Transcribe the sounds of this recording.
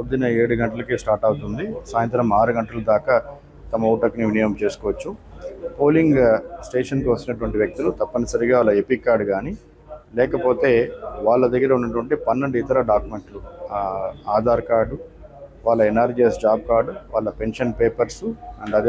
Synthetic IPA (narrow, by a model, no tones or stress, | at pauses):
ɐd̪inɐeːɽuɡɐɳʈɐlɐkisʈaːɾʈɐwut̪und̪isaːjɐnt̪ɾɐmaːɾuɡɐɳʈɐlɐd̪aːkɐ | t̪ɐmɐoːʈɐkniʋinijɐmt͡ʃe̞ːsu̥kɔːʋɐt͡ʃːupo̞ːliŋɡsʈeːʂɐnkiʋɐst̪inɐʈuʋɐɳʈiʋjɐk̚t̪ulut̪ɐpːɐnɐsɐɾiɡaːʋaːlːɐepikːaːɾɖɡaːni | lɛːkɐpo̞ːt̪e̞ːʋaːɭːɐd̪ɐɡːɐɾɐunːɐʈ̬uʋɐɳʈipɐnːɐɳɖuit̪ɐɾɐɖaːkjume̞ɳʈlu | aːd̪ʱaːɾkaːɾɖuʋaːɭːɐenaːɾd͡ʒiesd͡ʒaːb̚kaːɾɖuʋaːɭːɐpe̞nʂɐnpeːpɐɾsɐɳɖɐd̪